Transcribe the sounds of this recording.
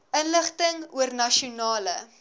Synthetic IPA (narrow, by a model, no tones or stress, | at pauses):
ʔənləχtəŋuərnɐʃiunɑːlə